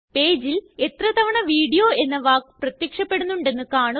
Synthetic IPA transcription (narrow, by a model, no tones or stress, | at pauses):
pe̞ːd͡ʑile̞t̪rɐt̪ɐʋɐɳɐʋiːɽijo̞ːe̞nːɐʋaːkprɐt̪jɐkʂɐpːe̞ɽunːuɳɖe̞nːɨkaːɳu